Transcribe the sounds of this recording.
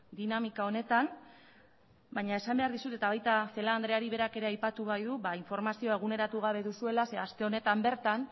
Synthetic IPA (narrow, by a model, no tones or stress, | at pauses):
d̪inamikao̞ne̞t̪an | bajɲae̞sambe̞aɾðisut̪et̪aβ̞ajt̪aθe̞laːnd̪ɾe̞aɾiβe̞ɾake̞ɾe̞ajpat̪uβ̞ajðuβaiɱfo̞ɾmasio̞e̞ɣ̞une̞ɾat̪uɣ̞aβ̞e̞ðusue̞lase̞ast̪e̞o̞ne̞t̪ambe̞ɾt̪an